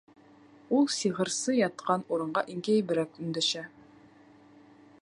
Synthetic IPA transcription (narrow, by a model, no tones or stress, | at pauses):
ulˠsiʁɤ̆ɾsɤjɑt̪̚qɑnuɾɤ̆ɴɢɑʔiŋkæjbɘ̆ɾækʉnd̪æʃæ